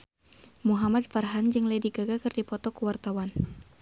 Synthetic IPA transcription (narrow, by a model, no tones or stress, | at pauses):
muɦamad̚farɦand͡ʒɨŋlədiɡaɡakɨrdipɔt̪ɔkuwart̪awan